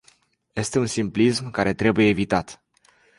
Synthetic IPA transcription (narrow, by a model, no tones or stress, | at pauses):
je̞st̪e̞unsimplismkaɾe̞t̪ɾe̞buje̞ːvit̪at̪